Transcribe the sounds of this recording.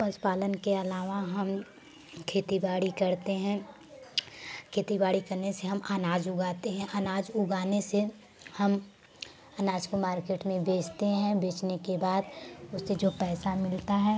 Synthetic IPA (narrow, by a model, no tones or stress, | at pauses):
pɐspaːlənkeɐlaːʋaɦɐm | kʰeːt̪ibaːɽikɐɾt̪eɦɛ̃ | kʰeːt̪ibaːɽikɐɾneseɦɐmʔanaːd͡ʒʊɡaːt̪eɦɛ̃ʔanaːd͡ʒʊɡaːnese | hɐm | ɐnaːd͡ʒkomaːɾkeːʈmẽbeːt͡ʃʰt̪eɦɛ̃beːt͡ʃnekebaːd̪ʊsːed͡ʒoːpɛːsamɪlt̪aɦɛː